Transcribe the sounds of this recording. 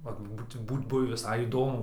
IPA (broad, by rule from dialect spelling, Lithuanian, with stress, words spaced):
ʋɐt ˈbuːt ˈbuːt ˈbʊʋʲɪ ʋʲɪˈsɐɪ iːˈdoːmʊ